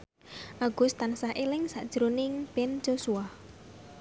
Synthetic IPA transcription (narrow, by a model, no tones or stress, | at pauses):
ʔaɡ̥ʊst̪ansahʔelɪŋsa̰ʔd̥ʒ̥əɾonɪŋb̥ɛnd͡ʒ̥osuah